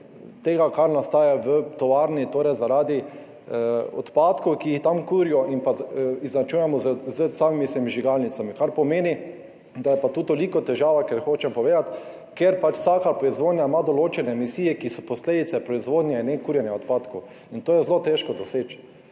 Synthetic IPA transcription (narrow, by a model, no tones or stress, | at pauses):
t̪eːɡakaɾnast̪aːjaʋət̪ɔʋaːɾnit̪oɾɛjzaɾaːd̪i | ɔ̰t̪paːt̪kɔwkiixt̪amkuɾijɔʔinpaiznat͡ʃujɛmɔzzəsaːmimisemiʒiɡalnitsamikaɾpɔmeːni | d̪ajɛpat̪uːt̪olikɔt̪ɛʒaːʋakeɾxoːt͡ʃɛmpɔʋeːd̪at̪ | keɾpat͡ʃw̥saːkapɾɔizʋoːd̪nʲjamad̪oloːt͡ʃɛnɛmisiːjɛkisɔpɔsleːd̪it̪sɛpɾɔizʋoːd̪njainɛkuːɾjɛnjɛɔt̪paːt̪kow | int̪oːjɛzlot̪eʃkɔd̪ɔseːt͡ʃ